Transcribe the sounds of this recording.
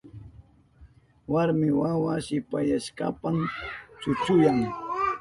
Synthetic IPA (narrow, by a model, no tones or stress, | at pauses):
waɾmɪwawaʃɪpajaʃka̰pamt͡ʃʊt͡ʃʊjaŋ